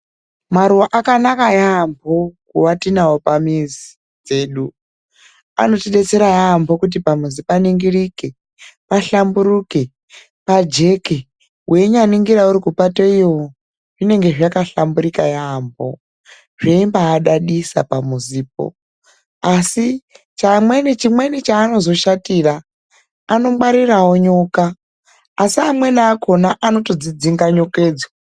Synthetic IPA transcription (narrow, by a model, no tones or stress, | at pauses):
maɾuwaʔakanakajambʰʱokuwatinawopamizi | d͡ze̞ːɗu | a̰no̞tiɗet͡se̞ɾajambʰʱokut̬ipamuzipaniŋɡiɾike | paɬambuɾuke | pad͡ʒe̞ke | wʔeɲaniŋɡiɾauɾikupatoiwo | ʐine̞ŋɡe̞ʐakaɬambuɾikajambo̰ | ʐeimbaːɗaɗisa̰pamuziːp̚o̰ | asi | t͡ʃamwe̞nit͡ʃimwe̞nit͡ʃaːno̞zo̞ʃatiraː | no̞mwaɾirawo̞ɲo̞kaː | siamwe̞naːkʰo̞naʔano̞to̞d͡zid͡ziŋɡaɲo̞keːd͡zo